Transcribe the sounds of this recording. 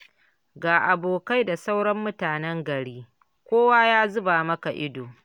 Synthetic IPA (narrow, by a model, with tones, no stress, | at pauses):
ɡaː˨ʔa˨boː˨ka˦jda˨sa˦wɽɐ˦mːʊ˦taː˨nɛ˦ŋɡɐ˨ɽiː˦ | kʷoː˦waː˦jaː˦zʊ˦baː˨mɐ˦ka˨ʔɪ˦doː˨